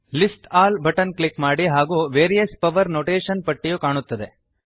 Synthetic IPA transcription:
lisʈaːlbʱɐʈɐnklikmaːɽiɦaːɡuːʋeːɾijɐspɐʋɐɾnoːʈeːʃɐnpɐʈːijukaːɳut̪ːɐd̪e̞

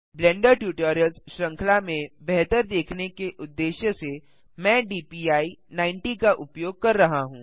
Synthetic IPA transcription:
blɛ̃ːɳɖəɾʈjuːʈɔːɾjəlzʃɾɐ̃ŋkʰlamẽbɛɦt̪əɾd̪eːkʰnekeʔʊd̪ːeːʃjəse | mɛ̃ːɖiːpiːaːinãːɪ̃ɳʈikaʔʊpjoːɡ̚kɐɾːɐɦaɦũː

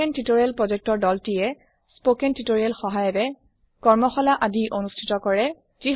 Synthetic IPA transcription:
ɛntitoɹiɛlpɹɔzɛk̚tɔɹdɔltijɛ | spokɛntitoɹiɛlxɔɦajɔdɛ | kɔɹmɔxɔlaʔadiʔonustʰitɔkɔɹɛ | z̥i

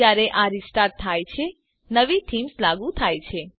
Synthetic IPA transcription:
aɾeʔaɾisʈaɾt̪ʰːajt͡ʃʰe | nəʋiʈʰimslaɡũt̪ʰajt͡ʃʰe

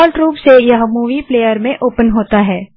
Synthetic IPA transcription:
lʈɾuːpsejɐɦmuːʋipleːjəɾmẽʔoːpənɦoːt̪aɦɛː

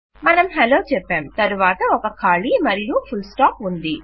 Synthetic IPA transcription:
mɐnɐmɦeloːt͡ʃɛpːaːmt̪ɐɾuʋaːt̪ɐɔkɐkʰaːɭimɐɾijupʰulsʈaːpund̪i

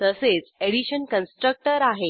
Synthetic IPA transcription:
t̪əset͡seɽiɕənkənsʈɾək̚ʈəɾaɦe

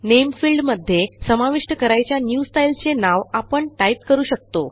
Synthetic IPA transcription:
nemfilɖməd̪ʱːjesəmaʋiʂʈəkəɾajt͡ɕjanjusʈajlt͡senaʋapəɳʈaip̚kəɾuːɕək̚t̪o

